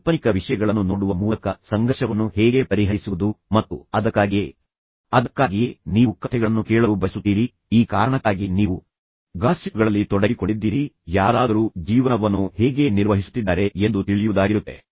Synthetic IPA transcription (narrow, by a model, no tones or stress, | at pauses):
pɐnikɐʋiʂɐjɐɡɐɭɐnːunoːɽuʋɐmuːlɐkɐsɐŋɡɐʃɐʋɐnːuhɛːɡe̞pɐɾiɦɐisuʋud̪umɐt̪ːṵɐd̪ɐkːaːɡi | ɐd̪ɐkːaːɡiniːʋukːɐt̪ʰːɛɡɐɭɐnːukeːɭɐɾubɐsut̪ːiːɾi | iːkaːɾɐɳɐkːaːɡiniːʋu | ɡaːsikɐɡɐɭɐlːit̪ɔɽɐɡikoɳɖid̪ːiːɾijaːɾaːd̪ɐɾuːd͡ʒiːʋɐnɐʋɐnːuhɛːɡe̞ːniɾʋɐɦisu̥t̪ːid̪ːaːɾe̞end̪ut̪iɭijuʋud̪aːɡiɾut̪ːe̞̰